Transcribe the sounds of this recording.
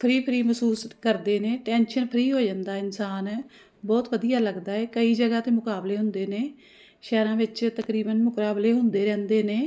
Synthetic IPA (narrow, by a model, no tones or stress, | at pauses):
pʰɾiːpʰɾiːməsuːskəɾd̪eːneːʈɛ̃ːnʃənpʰəɾiːɦoːd͡ʒãːnd̪aːɪnsaːn | bɔːt̪ʋəd̪ijaːləɡd̪aːɛːkəiːd͡ʒəɡaːt̪eːmʊkaːbleːɦʊnd̪eːneː | ʃɛːɾãːʋɪt͡ʃt̪əkɾiːbənmʊkɾaːbleːɦʊnd̪eːɾɛ̃ːnd̪eːneː